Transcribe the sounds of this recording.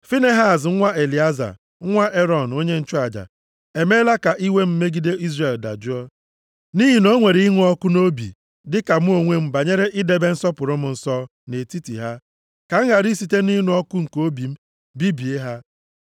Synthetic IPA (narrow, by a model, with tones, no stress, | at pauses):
fi˦ne˦ɦa˨zŋ̩˦ŋʷa˦e˨li˨a˦za̰˨ | ŋ̩˦ŋʷa˦ʔe˦ɾɔ˨n˨o˦ɲe˦n̩˨t͡ʃʊ˦a˨d͡ʒa̰˨ | e˨me˦la˦ka˨ʔi˦we˦m̩˦me˦ɡi˦de˦i˦zre˨lda̰˨d͡ʒʊ˦ɔ˦ | ni˦ɦi˨no˦ŋʷe˨ɾi˨i˦ŋu˦ɔ˦kʊ˦no˦bḭ˨ | dɪ˦ka˨m̩˦o˨ŋʷe˦m̩˦ba˨ɲe˦ɾe˦ʔɪ˦de˦be˦n̩˦sɔ˦pʊ˨ɾʊ˦m̩˦n̩˨sɔ˦ | ne˨ti˦tḭ˨ɦa˦ | ka˨ŋ̩˦ɦa˨ɾi˦si˨te˦ni˦nʊ˨˦ɔ˦kʊ˦ŋ̩˨ko˦bi˨m̩˦ | bi˦bi˨e˦ɦa˦